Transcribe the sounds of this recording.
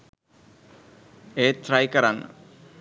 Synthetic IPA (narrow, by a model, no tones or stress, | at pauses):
eːt̪ɾajkɐɾan